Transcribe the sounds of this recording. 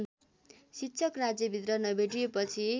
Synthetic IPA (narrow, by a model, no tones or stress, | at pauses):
sitːsʰʌkrad͡zjʌbʱit̪rʌnʌbʱeʈijepʌt͡sʰi